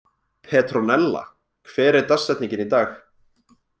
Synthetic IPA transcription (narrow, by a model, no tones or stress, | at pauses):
pʰɛːt̪ɾɔnɛlːa̰ | kʰvɛːɾɪɾt̪asːɛt̪niɲcɪnit̪aːx